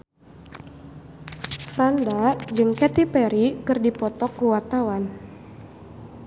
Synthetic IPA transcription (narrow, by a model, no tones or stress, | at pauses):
fɾandad͡ʒɨŋkɛt̪ipɛɾikɨrdipɔt̪ɔkːuwart̪awan